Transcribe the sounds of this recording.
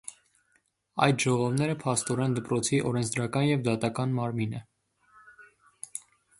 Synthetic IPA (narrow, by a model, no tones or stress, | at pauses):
ɑ̰jt̪ʒɔʁɔvnɛɾəpʰɑst̪ɔɾɛnd̪əpɾɔt͡sʰiʔɔɾɛnt͡sʰd̪ɾɑkɑnjɛvd̪ɑt̪ɑkɑnmɑɾminə